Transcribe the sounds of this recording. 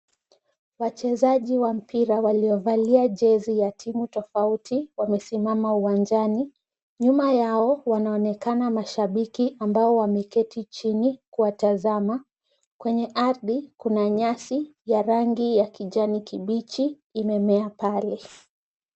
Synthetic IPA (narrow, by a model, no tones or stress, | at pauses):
wat͡ʃɛzaʄiwam̩pʰiɾawaliɔvaliaʄɛzijatʰimutɔfautʰiwamɛsimamauwand͡ʒani | ɲumajaɔwanaɔnɛkanamaʃaɓikiʔambaɔwamɛkɛtʰit͡ʃinikuwatazama | kwɛɲɛʔaɾðikunaɲasijaɾaŋɡijakiʄanikiɓit͡ʃiː | mɛmɛapalɛ